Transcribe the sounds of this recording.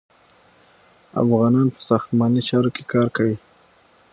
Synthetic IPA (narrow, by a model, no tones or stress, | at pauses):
a̰fɣɑnɑnpə̥sɑxt̪mɑnit͡ʃɑɾoke̥kɑɾkawi